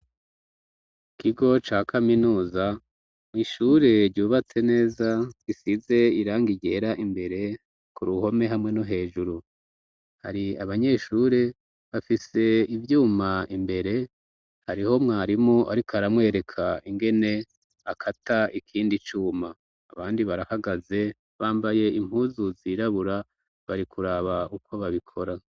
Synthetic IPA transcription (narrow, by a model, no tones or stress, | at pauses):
kiɡo̞t͡ʃaːkʰaminuːza | iʃuːɾe̞ɾɟuːβat͡se̞ne̞ːzaɡisize̞iɾaːŋɡiɟe̞ːɾaʔimbe̞ɾe̞ | kuɾuho̞me̞ɦamŋe̞noɦe̞ːʒuɾu | ha̰ɾiaβaɲe̞ːʃuɾe̞ | βafise̞ivjuːmaimbe̞ɾe̞ | haɾiho̞mŋaːɾimoʔa̰ɾikaɾamŋwe̞ːɾe̞kʰaiŋɡe̞ne̞ | akʰatʰaʔikʰiːndit͡ʃuːma̰ː | βaːndiβaɾahaɡaze̞ | βaːmbaje̞im̥huːzuziɾaβuɾa | βaɾikʰuɾaβaukʰo̞βaβikʰo̞ɾa